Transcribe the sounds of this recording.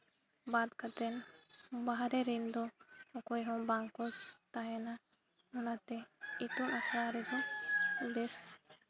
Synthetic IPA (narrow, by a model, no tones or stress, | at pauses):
bad̪kat̪ɛnbaɦaɾɛɾɛnd̪ɔɔkɔjɦɔ̃baŋkɔst̪aɦɛna | ɔnat̪ɛit̪umasɾaɾɛd̪ɔd̪ɛs